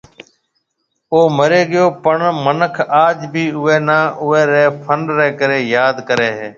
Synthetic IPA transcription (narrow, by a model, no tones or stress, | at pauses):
oːməɾeːɠɪjoːpəɳmənəkʰaːd͡ʒbʱiːʊʋeːnãːʔʊeːɾeːpʰəɳɖɾeːkəɾeːjaːd̪kəɾeːɦeː